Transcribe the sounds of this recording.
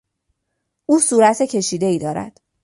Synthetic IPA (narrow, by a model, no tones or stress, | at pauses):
ʔuːsuːɾæt̪ʰecʰe̞ʃiːd̪eiːd̪ɒːɾæ̰d̪̥